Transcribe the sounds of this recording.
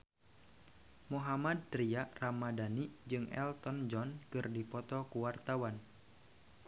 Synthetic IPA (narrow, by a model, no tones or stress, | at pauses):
muɦamad̪̚ːɾiaramadanid͡ʒɨŋɛ̰lt̪ɔnd͡ʒɔnkɨrdipɔt̪ɔkuwart̪awan